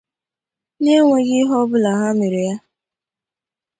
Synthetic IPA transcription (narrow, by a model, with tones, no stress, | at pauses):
ne˦ŋʷe˦ɡɪ˦ɦɔ˦bʊ˦la˨ɦa˦me˨ɾi˨ja˦